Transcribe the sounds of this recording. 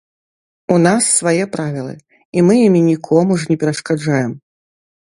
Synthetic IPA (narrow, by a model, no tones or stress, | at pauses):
unasːvajɛpɾavʲilˠɨ̰ | imɨjimʲinʲikʰɔmuʐnʲɛpʲɛɾɐʂkad͡ʐajɛm